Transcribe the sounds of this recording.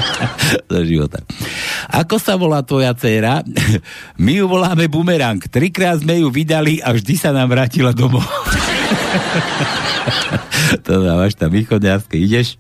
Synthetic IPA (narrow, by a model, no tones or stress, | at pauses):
d̪ɔʒiʋɔ̰t̪a̰ʔa̰kɔsaʋɔlaːt̪ʋɔjat͡sɛːɾa | mijuʋɔlaːmɛbumɛɾaŋkt̪ɾikɾaːd̪zmɛjuʋid̪aliʔavʒd̪isanaːmʋɾaːcilad̪ɔmɔ | t̪ɔaʋaʃt̪amixɔd̪ɲaɾskɛiɟɛʃ